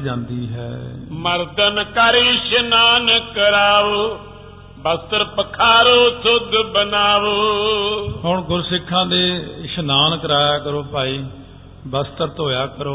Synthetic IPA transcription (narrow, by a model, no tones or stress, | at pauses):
d͡ʒãːnd̪iːɦɛ̰ːməɾd̪ənkaːɾiːʃənaːnkəɾaːʋ | bəst̪əɾpəkʰaːɾoːsʰʊd̪bənaːʋ | ɦʊɳɡʊɾsɪkʰːãːd̪eːʃənaːnkɾaːjaːkəɾoːpaːiː | bəst̪əɾt̪oːjaːkəɾoː